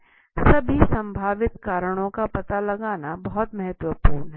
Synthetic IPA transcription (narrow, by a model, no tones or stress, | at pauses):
sɐbʱisɐ̃mbʱaːʋɪt̪kaːɾəɽ̃õkapɐt̪alɐɡaːnabɐɦɔt̪mɐɦɛt̪wəpuːɾnɦɛ